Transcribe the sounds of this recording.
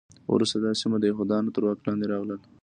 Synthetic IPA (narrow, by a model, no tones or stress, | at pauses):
w̰ɾust̪ad̪ɑsimad̪əjɦod̪ɑnot̪əɾwɑklɑnd̪eɾɑɣləl